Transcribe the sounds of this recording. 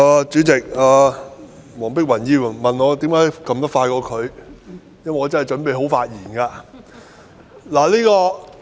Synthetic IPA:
aː˨˧t͡ʃyː˨˥t͡sɪ˨k̚aː˨˧ | mɔː˨˩ŋpɪ˥k̚wɐ˨˩njiː˧wmɐ˨nŋɔː˨˧t̪iː˨˥mkaː˨˥jkɐ˧mt̪ɐ˥faː˧jkɔː˧kʰɵ˨˧ɥ | jɐ˥mwɐ˨˩ŋːɔː˨˧˥t͡sɐ˥n˨˩jt͡ʃɵ˨˥npe˨˧jɦo˨˥wfaː˧t̚jiː˨˩nkaː˧ | laː˨˩liː˥kɔː˧

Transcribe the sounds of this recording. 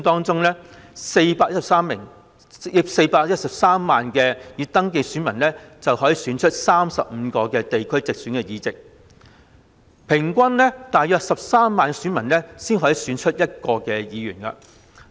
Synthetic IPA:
t̪ɔː˥ŋt͡sʊ˥ŋlɛ˥se˧jpaː˧jtsɐ˨p̚saː˥mːɪ̰˨˩ŋ | jɪ˨˩p̚se˧jpaː˧k̚jɐ˥t̚sɐ˨p̚saː˥mːaː˨nkɛː˧jiː˨˧t̪ɐ˥ŋke˧jsyː˨˥nmɐ˨˩nlɛ˥t͡sɐ˨whɔː˨˥jiː˨˧syː˨˥nt͡ʃʰɵ˥t̚saː˥msɐ˨p̚m̩˨˧kɔː˧kɛː˧t̪e˨jkʰɵ˥ɥt͡sɪ˨k̚syː˨˥nkɛ˧jiː˧t͡sɪ˨k̚ | pʰɪ˨˩ŋkʷɐ˥nlɛ˥t̪aː˨jœː˧k̚sɐ˨p̚saː˥mːaː˨n˧syː˨˥nmɐ˨˩nnɛ˥siː˥nɦɔː˨˥ji˨syː˨˧˥nt͡ʃʰɵ˥t̚jɐ˥t̚kɔː˧kɛː˧jiː˨˧ɥyː˨˩nkɐ̰˧

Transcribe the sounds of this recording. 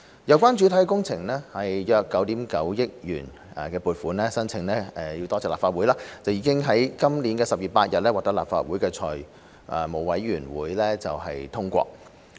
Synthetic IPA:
jɐ˨˧wkʷaː˥nt͡ʃy˨˥t̪ʰɐ˨˥jkɛ˧kʊ˥ŋt͡sʰɪ˨˩ŋlɛː˥hɐ˨jjœː˧kːɐ˨˥wt̪iː˨˥mkɐ˨˥wjɪ˥k̚jy̰ː˨˩n | ɛ̰˨kɛː˧puː˨˧t̚fuː˨˥nɛː˥sɐ˥nt͡sʰɪ˨˧ŋlɛː˥ɛ˨jiː˧wt̪ɔː˥t͡sɛː˨˩laː˨pfaː˧wuː˨˥jlaː˧˥t͡sɐ˨wjiː˨˧˥kɪ˥ŋɦɐ˨˥jkɐ˥mliː˨˥nkɛː˧sɐ˨p̚jiː˨˩paː˧t̚jɐ˨t̚lɛː˥waː˨k̚t̪ɐ˥la̰ː˨p̚fa̰ː˧t̚wu˨˥jkɛː˧t͡sʰɔː˨˩j | ʔɛ˨˩mo˨˩wɐ˨˥jɥyː˨˩nwṵː˨˥jlɛː˥t͡sɐ˨wɦɐ̰˨jt̪ʰʊ˥ŋkʷɔ̰ː˧k̚

